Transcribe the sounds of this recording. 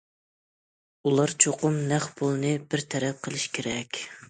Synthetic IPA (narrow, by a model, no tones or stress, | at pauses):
ulˠɑɾt͡ʃʰoqʊmːæχbolˠnɨbɪɾt̪ʰɛɾɛp̚qʰəlˠɪʃkʲʰeɾɛkʲ